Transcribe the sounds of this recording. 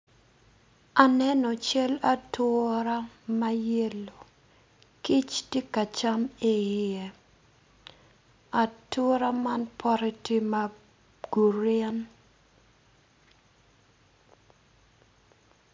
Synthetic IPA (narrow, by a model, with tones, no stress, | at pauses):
a˨nɛ˦nɔ˨t͡ʃɛ˦la˦tʊ˦ɾa˦ma˦je˦lo˨ | ki˦t͡ʃti˦ka˨t͡ʃa˦me˨je˨ | a˨to˦ɾa˦ma˦npʰɔ˦ɾi˦ti˦ma˦ | ɡ̥u˨ɾɪa˦n